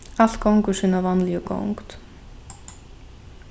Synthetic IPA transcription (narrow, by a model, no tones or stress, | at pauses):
al̥t̪̚kawŋkʏ̥siːnavanːlijʏko̰wŋkt̪